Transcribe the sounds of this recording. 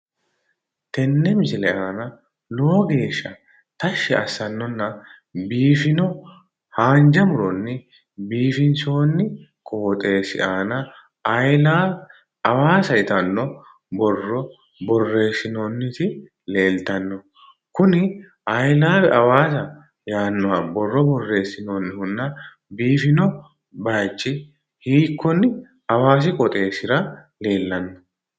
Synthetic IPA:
t̪ɛnːɛmɪsɪlɛʔaːnɐ | lɔɔɡe̞ːʃːɐ | t̪ɐʃːɛʔɐsːɐnːɔnːɐ | biːfɪnɔ | haːnd͡ʒɐmʊɾɔnːɪ | biːfɪnso̞ːnːɪkʼo̞ːt̪ʼe̞ːsɪ̰ʔaːnɐ | ɐjlaː | ɐwaːsɐjɪt̪ɐnːɔ | bɔrːɔ | bɔrːe̞ːsːɪnoːnːɪt̪ɪ | le̞ːlt̪ɐnːɔ | kʊnɪ | ɐjlaːfɛʔɐwaːsɐ | jaːnːɔabɔrːɔbɔrːe̞ːsːɪnoːnːɪhʊnːɐ | biːfɪnɔ | baːt͡ʃʼːɪ | hiːkːɔnːɪ | ɐwaːsɪkʼɔt̪ʼe̞ːsɪɾɐ | le̞ːlːɐnːɔ̥

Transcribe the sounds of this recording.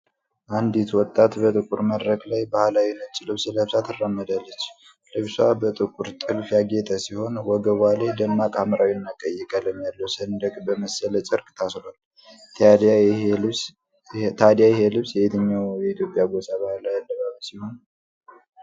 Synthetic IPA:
ʔand̪it̪wɔt̪ʼːat̪bət̪ʼɨkʼuɾməd̪ɾəklajbahlawinət͡ʃːlɨβsləβsat̪ʰɨrːəmːəd̪alːət͡ʃː | ləβsabət̪ʼɨkʼuɾt̪ʼɨlfjaɡet̪ʼʰəsiho̞nwɔɡəβalajd̪ənmakʼamɾawinːakʼəjːɛkʼələmjalːəwsənd̪əkʼbəməsələt͡ʃʼɨɾkʼt̪ʰasɾal | t̪ʰad̪jajɛhelɨβsjɛit̪ʰəɲːawjɛit̪ʰjo̞pʼjaɡosaβahlajad̪ːəβaβisiho̞n

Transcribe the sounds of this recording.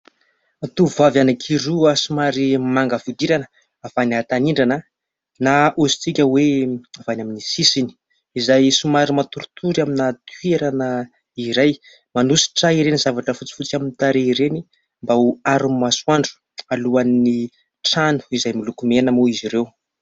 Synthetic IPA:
at̪uvavanakʰiɾuasumaɾimaŋɡəfud̪iɾanə̥ | avaniat̪aniɳɖ͡ʐanə | naʔuzi̥t͡sikʲəweavanaminisisini̥ | izajsumaɾimat̪uɾut̪ʰuɾaminat̪weɾanə | iɾaj | manusi̥ʈ͡ʂaiɾenizavaʈ͡ʂəfut͡si̥fut͡saminit̪aɾeiɾeni | mbauaɾumaswaɳɖ͡ʐu̥ | aluanni | ʈ͡ʂanu̥izajmilukumenəmuiziɾew

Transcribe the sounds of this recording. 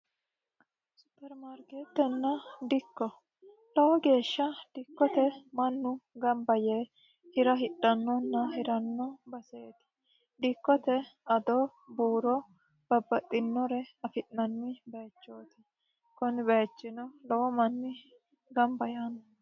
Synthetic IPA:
sʊ̥pːɛɾmaɾkeːt̪ːɛnːɐd̪ɪkːɔ | lɔwɔɡe̞ːʃːɐd̪̥ɪkːɔt̪ɛmɐnːʊɡɐmbɐjeː | hɪɾɐɦɪᶑːɐnːɔnːɐhɪɾɐnːɔbɐseːt̪ɪ̥ | d̪ɪkːɔt̪ɛɐd̪o | buːɾɔ | b̥ɐbːɐt̪ʼːɪnːɔɾɛɐfɪʔnɐnːɪbeːt͡ʃːoːt̪ɪ̥ | kɔnɪbeːt͡ʃːɪnɔlɐwɔmɐnːɪ | ɡɐmbɐjaːnɔ

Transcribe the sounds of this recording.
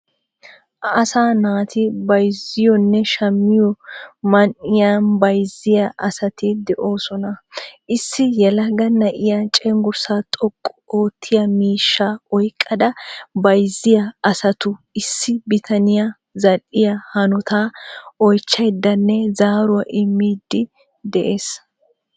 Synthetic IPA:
ɐsaːnaːt̪ʰɪbɐjzɪjɔnːɛʃɐmːɪjɔmɐnɪjanbɐjzɪjɐʔɐsɐt̪ɪd̪ɛʔo̞ːsɔnɐʔɪsːɪjɛlɐɡɐnɐʔɪjat͡ʃʼɛŋɡʊɾsaːt̪ʼɔkʼːɔoːt̪ʰːɪjɐmiːʃːaɔjkʼːɐd̪ɐbɐjzɪjɐɐsɐt̪ʊɪsːɪbɪt̪ʰɐnɪja | zɐʔɪjɐhɐnɔt̪aːɔjt͡ʃːɐjd̪ːɐnːɛzaːɾʊwaʔɪmːiːd̪ːɪ | d̪ɛʔeːs

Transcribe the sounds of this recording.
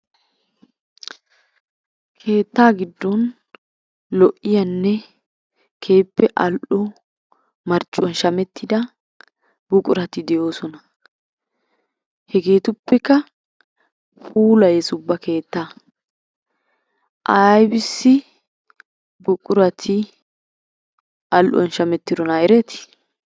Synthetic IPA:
kʰe̞ːt̪ːaːɡɪd̪ːɔn | lɔʔːɪjɐnːɛ | kʰe̞ːpːɛʔɐlʔɔ | mɐɾt͡ʃʼːwɔnʃɐmɛt̪ʰːɪd̪ɐ | bʊkʼʊɾɐt̪ɪd̪ɛjo̞ːsɔnɐ | hɛɡe̞ːt̪ʊpːɛkːɐ | pʰʼuːlɐjɛsʊbːɐke̞ːt̪ːa | ʔɐjbɪsːɪ | bʊkʼʊɾɐt̪ʰɪ | ʔɐlʔɔ̰nʃɐmɛt̪ːɪd̪ɔnɐɛɾɛt̪ɪ̥

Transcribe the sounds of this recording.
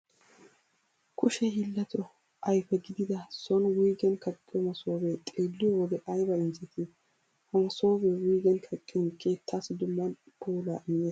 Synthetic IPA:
kʰʊʃɛɦɪlːɐt̪ɔ | ʔɐjfɛɡɪd̪ɪd̪ɐsɔnwiːɡɛnkɐkʼːɪjɔmɐsoːbɛt̪ʼeːlːɪjɔwɔd̪ɛʔɐjbɐɪnzɛt̪ʰɪ | hɐmɐsoːbɛwiːɡɛnkʰɐkʼːɪnkeːt̪ʰːasd̪ʊmːɐn | pʰoːlaʔɪnːeː

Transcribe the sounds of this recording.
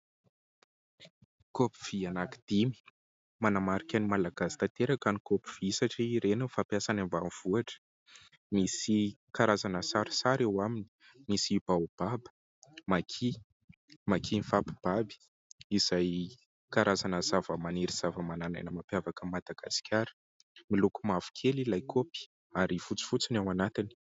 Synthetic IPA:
kopi̥v̥ianaki̥d̪̥imi̥ | manamaɾikʲanimalaɡ̥asi̥t̪at̪eɾakanikopiv̥iisaʈ͡ʂiɾenəfapjasanambamiv̥uaʈ͡ʂə̥ | misi | kaɾazanəsaɾi̥saɾewamini̥ | misib̥aub̥abə̥ | makʰi | makʰinifapib̥abi̥ | iz̥aj | kaɾazanəz̥avəmaneɾiz̥avəmanana̰jnəmapjavakəmad̪̥aɡ̥a̰skʲʰaɾə̥ | milukumav̥u̥kʰelilajkʰopi̥ | aɾifut͡si̥fut͡sinawanat̪ini̥

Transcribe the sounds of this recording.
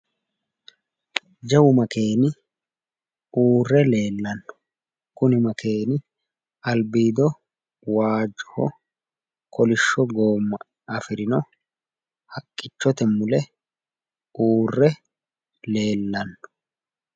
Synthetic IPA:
d͡ʒɐwʊmɐke̞ːnɪ | uːrːɛle̞ːlːɐnːʊ̥ | kʊnɪmɐke̞ːnɪ | ɐlbiːd̪ɔ | waːd͡ʒɔ̥hɔ̰ | kɔlɪʃːɔɡoːmːɐ | ɐfɪɾɪnɔ | hɐkʼːɪt͡ʃːɔt̪ɛmːʊlɛ | uːrːɛ | le̞ːlːɐnːʊ̥

